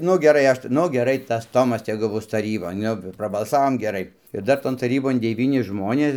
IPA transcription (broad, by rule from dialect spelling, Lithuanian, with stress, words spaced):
ˈnʊ ɡʲɛˈrɐɪ ˈɐʃ tʲɪ ˈnʊ ɡʲɛˈrɐɪ tɐs ˈtoːmɐs ˈtʲæːɡʊ ˈbʊs tɐˈrʲiːboːn ˈnʊ prɐbɐlˠˈsɑːʋoːm ɡʲɛˈrɐɪ ɪr ˈdɐr ˈtoːn tɐˈrʲiːboːn dʲɛˈʋʲiːnʲɪ ˈʒmoːnʲeːs